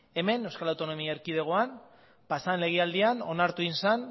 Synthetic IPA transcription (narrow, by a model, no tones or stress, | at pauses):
e̞me̞newskalawt̪o̞no̞miaeɾkið̞e̞ɣ̞o̞an | pasanle̞ɣ̞eald̪iano̞̰naɾt̪uinsan